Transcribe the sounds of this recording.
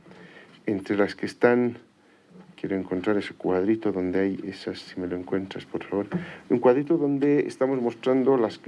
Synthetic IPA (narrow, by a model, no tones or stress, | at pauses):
ent̪ɾelaskeːst̪an | kje̞ɾo̞eŋkont̪ɾaɾe̞se̥kwaðɾit̪o̞ðo̞nd̪eajḛsasːime̞loeŋkwe̞nt̪ɾaspo̞ɾfaβo̞ɾuŋkwaðɾit̪oðo̞nd̪eḛst̪amo̞zmo̞st̪ɾand̪olas